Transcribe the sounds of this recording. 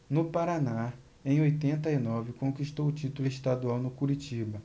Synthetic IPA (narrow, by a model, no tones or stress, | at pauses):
nʊpaɾana | ẽj̃ojt̪ẽnt̪ɐinɔvɪkõkiʃt̪owʊt͡ʃit̪ulʊeʃt̪ad̪uawnʊkuɾit͡ʃibɐ